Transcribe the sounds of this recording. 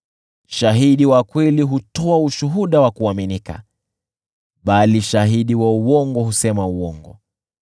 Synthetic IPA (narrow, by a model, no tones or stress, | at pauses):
ʃaɦiɗiwakwɛliɦutɔauʃuɦuɗawakuaminika̰ | ɓaliʃaɦiɗiwauwɔŋɡɔhusɛmauwɔŋɡɔ̰